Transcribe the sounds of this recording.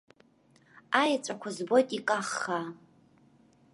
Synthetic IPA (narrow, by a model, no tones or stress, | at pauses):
ajat͡ʃʷʼakʷʰazbo̞jtʼikʼaχːa